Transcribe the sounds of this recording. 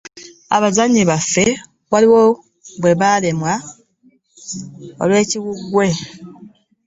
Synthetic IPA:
a̰βazaɲːiβafːe̞ | βaliwo | βwe̞βale̞mwa | o̰lwe̞ːciɣuɡwe̞

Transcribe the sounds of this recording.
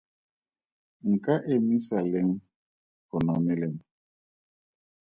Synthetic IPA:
ŋ̩kaʔemisaleŋ | konɔmelem

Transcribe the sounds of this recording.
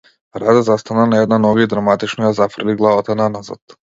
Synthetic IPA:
ɾad̪ɛzast̪ananaɛd̪nanɔɡaid̪ɾamat̪it͡ʃnɔjazafr̩liɡlˠavat̪ananaza̰t̪

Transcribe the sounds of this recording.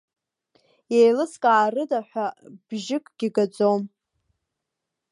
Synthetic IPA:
jejlɨskʼaːrɨdaħʷᶣab̥ʒɪkʼɡ̥ʲɪɡad͡zʼom

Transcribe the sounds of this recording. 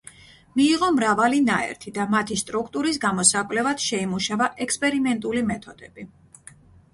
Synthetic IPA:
miːʁɔmɾavalinaɛ̰ɾt̪ʰid̪amat̪ʰist̪ʼɾukʰt̪ʼuɾis̬ɡamɔsakʼvlɛvad̪̥ʃɛimuʃavaʔɛkspʼɛɾimɛnt̪ʼulimɛt̪ʰɔd̪̥ɛb̥i

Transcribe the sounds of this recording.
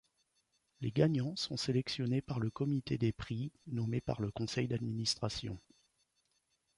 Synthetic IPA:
leɡaɲɑ̃sɔ̰̃selɛksjɔnepaʁləkɔmit̪ed̪epχinɔmepa̰ʁləkɔ̃sɛjd̪ad̪minist̪χasjɔ̰̃

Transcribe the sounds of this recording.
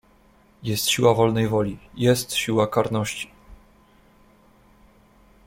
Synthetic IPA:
jɛst̪ɕiwavɔlnɛjvɔlʲijɛst̪ɕiwakaɾnɔɕt͡ɕi̥

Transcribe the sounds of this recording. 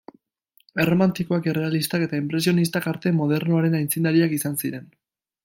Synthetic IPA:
e̞ro̞mant̪iko̞akere̞alist̪ake̞t̪aimpɾe̞sio̞nis̬t̪akaɾt̪e̞mo̞ð̞e̞ɾnoaɾe̞najnt͡sind̪aɾiakisansiɾe̞n

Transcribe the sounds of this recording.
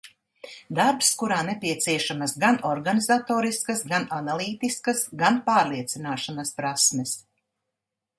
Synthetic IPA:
d̪aɾpskuɾaːnepʲiɛt̪siɛʃamɐsɡanɔɾɡanizat̪oːɾiskɐsɡananalˠiːt̪iskɐsɡanpaːɾlˠiɛt̪sinaːʃanɐspɾasmɛs

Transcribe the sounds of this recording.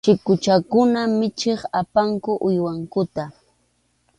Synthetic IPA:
t͡ʃɪkʊt͡ʃakʊnamɪt͡ʃeχapaŋkʊʔʊjwaŋkʊt̪a

